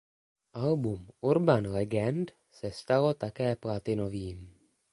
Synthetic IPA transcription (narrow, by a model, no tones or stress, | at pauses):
ʔalbumʔuɾbanlɛɡɛnt̪ | sɛst̪alo̞t̪akɛːplat̪ɪno̞viːm